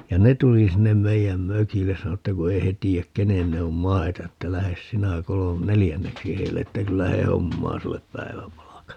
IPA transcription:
jɑ ne tuli sinːem meijæm møkilːes sɑno etːæ ku ei he tiːæk kenen ne om mɑi̯tɑ etːæ læhes sinæ kolo nelijænːeksi heilːe etːæ kylːæ he homːɑː sulːep pæi̯ʋæpɑlɑkɑ

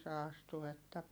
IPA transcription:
se ɑstu etːæ

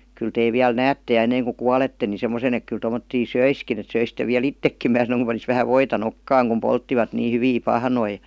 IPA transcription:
kyl teː ʋiæl næːtːe j̆ɑ enːeiŋ ku kuɑletːe ni semosen ek kyl tomotːiː søiskin et søisitˑe ʋiæl itːekːim mæː sɑnoĭŋ kum pɑnis ʋæhæ ʋoitɑ nokːɑːŋ kum poltːiʋɑt niː hyʋiː pɑhnoi

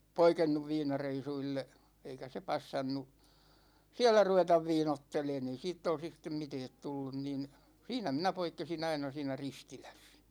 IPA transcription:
poikenːuʋ ʋiːnɑreisuilːe eikæ se pɑsːɑnːu siæ̝lˑæ ruʋetɑʋ ʋiːnotːeleːn ei siːtː olsis stem mitɛːt tulːun nin siːnæ minæ poikːesin ɑinɑ siːnæ ristilæs

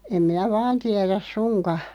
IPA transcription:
em minæ ʋɑːn tiɛræs sunkɑ

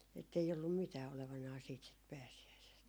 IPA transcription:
etːei olːum mitæː oleʋɑnɑː siːt sit pæːsiæisest

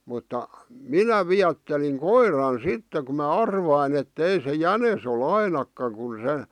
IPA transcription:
mutːɑ minæ ʋiætːeliŋ koirɑn sitːe ku mɑ ɑrʋɑin etːei se jænes ol ɑinɑkːɑŋ kun̞ se

